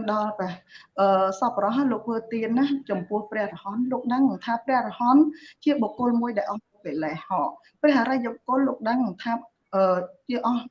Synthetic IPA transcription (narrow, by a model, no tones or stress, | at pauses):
ŋɗɑlprɛəʔəːsɑprɾɑɦajloːk̚ʋəːt̪iənːat͡ɕɑmpʊ̆əhprɛ̆əhrɑhɑnloːk̚ɗəŋŋt̪ʰaːprɛ̆əhrɔhɑnt͡ɕiəɓokːʊ̆əlmuəjɗaɛlʔɑhnopelɛːhɑː | prɛ̆əhaɾajokʊ̆lːoːk̚ɗəŋŋt̪ʰaː | ʔəːt͡ɕiəʔɑh